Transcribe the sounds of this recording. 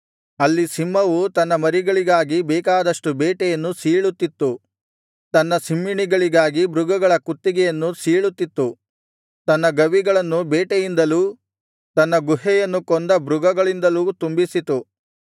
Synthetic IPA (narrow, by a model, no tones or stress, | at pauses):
ɐlːisimːɐʋut̪ɐnːɐmɐɾiɡɐɭiɡaːɡibɛːkaːd̪ɐʂʈubɛːʈɛjɐnːusiːɭut̪ːit̪ːu | t̪ɐnːɐsimːiɳiɡɐɭiɡaːɡibɾuɡɐɡɐɭɐkut̪ːiɡɛjɐnːusiːɭut̪ːit̪ːu | t̪ɐnːɐɡɐʋiɡɐɭɐnːubɛːʈɛjind̪ɐluː | t̪ɐnːɐɡuɦɛjɐnːukɔnd̪ɐbɾuɡɐɡɐɭind̪ɐluːt̪umbisit̪u